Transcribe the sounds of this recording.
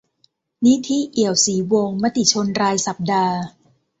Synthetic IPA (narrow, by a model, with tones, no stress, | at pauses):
ni˦˥t̪ʰi˦˥˨ʔi˨˩əwsiː˩˦wo˧ŋma˦˥t̪i˨˩t͡ɕʰo˧nɾaː˧jsa˨˩p̚daː˧